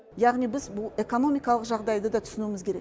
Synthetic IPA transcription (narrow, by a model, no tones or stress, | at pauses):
jaʁnijbɪzbʊlˠe̞kono̞mijkɑlˠəqʒɑʁd̪ɑjd̪əd̪ɑt̪ʰʏ̥sɪnumɪzkʲʰe̞ɾek